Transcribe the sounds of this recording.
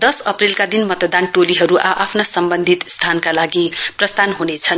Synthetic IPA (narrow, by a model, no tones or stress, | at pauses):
d̪ʌsʌprelkad̪inmʌt̪ʌd̪anʈoliɦʌɾuʔaʔapʰnasʌmbʌnd̪ʱit̪st̪ʰankalaɡiprʌst̪ʰanɦunet͡sʰʌn